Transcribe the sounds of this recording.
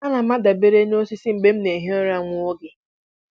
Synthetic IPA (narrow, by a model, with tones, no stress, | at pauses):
a˦na˨ma˦da˨be˦ɾe˦no˦si˦si˦m̩˦be˦m̩˦ne˨ɦe˦o˦ɾa˨ŋʷʊ˦o˦ɡɪ˦